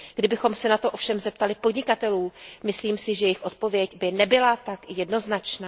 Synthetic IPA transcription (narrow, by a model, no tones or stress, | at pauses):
ɡ̥dɪbɪxo̞msɛnat̪o̞ʔo̞fʃɛmzɛp̚t̪alɪpo̞dɲɪkat̪ɛluːmɪsliːmsɪʒɛjɛjɪxʔo̞t̪po̞vjɛcbɪnɛbɪlat̪akjɛdno̞znat͡ʃnaː